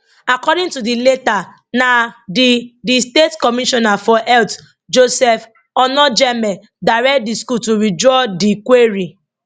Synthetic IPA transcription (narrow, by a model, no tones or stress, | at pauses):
akɔdĩntudileta | nadidistetkɔmiʃɔnafɔʔɛlt | d͡ʒosɛf | ɔnɔd͡ʒɛmɛ | daɹɛkt̚diskutuɹid͡ʒɔdikweɹi